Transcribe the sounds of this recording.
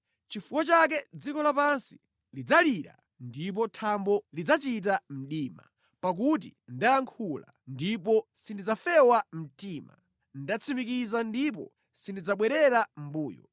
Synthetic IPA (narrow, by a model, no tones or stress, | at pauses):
t͡ʃifukɔt͡ʃak̬ɛd͡zikɔlapansi̥ | lid͡zaliɾa̰ | ndip̬ɔtʰambɔlid͡zat͡ʃit̬am̩ɗiːma̰ | pak̬ut̬ḭndajaŋkʰula̰ | ndipɔsindid͡zafɛwam̩tiːma̰ | ndat͡sʰimik̬izandipɔ̰ | sindid͡zaɓwɛɾɛɾam̩buːjɔ̰